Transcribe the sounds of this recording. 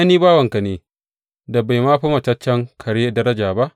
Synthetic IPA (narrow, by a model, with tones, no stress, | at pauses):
ʔa˦niː˦baː˦wɐ˨ŋka˨neː˨ | da˨ba˨jmaː˦ɸa˦mɐ˨t͡ʃɐ˦t͡ʃːɐ˦ŋkʰɐ˨ɽe˦dɐ˦ɾɐ˦d͡ʒaː˨ba˦ʔ